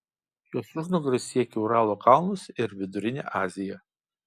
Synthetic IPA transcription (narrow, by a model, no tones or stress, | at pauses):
joːsʊʒnʊɡɾɐsʲiɛkʲɛʊɾɑːlˠoːkɑˑlˠnʊsɪɾʋʲɪd̪ʊɾʲɪnʲḛːʔɑːzʲɪjɛ